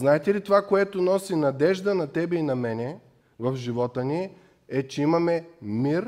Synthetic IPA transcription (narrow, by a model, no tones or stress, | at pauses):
znaɛt̪ɛlit̪ovakoɛt̪onɔsinɐd̪ɛʒd̪ənɐt̪ɛbɛinɐmɛnɛ | vɐfʒivɔt̪əni | ɛt͡ʃɛimɐmɛmiɾ